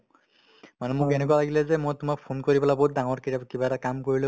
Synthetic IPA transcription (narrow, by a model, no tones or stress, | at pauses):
manɛmʊkɛnɛkualaɡilɛzɛmojtʊmak̚pʰonkoɹipɛlabout̚daŋɔɹkitapkibatakamkoɹilɛ